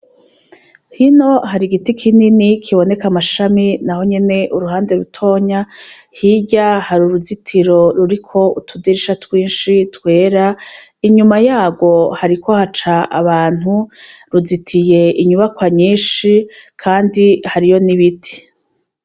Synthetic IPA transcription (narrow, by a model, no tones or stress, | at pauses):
hino̞haɾiɡitikʰininikʰiβo̞ne̞kamaʃaminaho̞ɲe̞ne̞ʔuɾuɦaːnde̞ɾutʰo̞ːɲa | hiɟahaɾuɾuzitʰiɾo̞ɾuɾikʰo̞utʰudiɾiʃatwiːnʃitwe̞ːɾaiɲumajaːɡo̞haɾikʰo̞hat͡ʃaʔaβaːn̥huɾuzitʰije̞ʔiɲuβakwaɲiːnʃikʰaːndihaɾijo̞niβitʰi̥